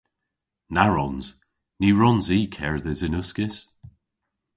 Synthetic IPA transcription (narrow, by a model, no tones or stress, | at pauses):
naɹɔnz̥ | niːɹɔnziːkʰɛɹðəzɪnʊskɪs